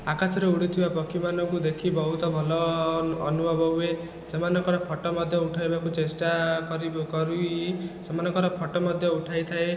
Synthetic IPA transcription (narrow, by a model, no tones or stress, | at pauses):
akasɔɾeuɽit̪ʰibapɔkimanɔŋkud̪ekʰibɔɦut̪ɔbʱɔlɔː | nubʱɔbʱɔbue | semanɔkɔɽɔpʰɔʈɔmɔd̪ʱjɔuʈʰajbakut͡ʃesʈakɔɾibkɔɾuisemanɔkɔɽɔpʰɔʈɔmɔd̪ʱjɔuʈʰajt̪ʰae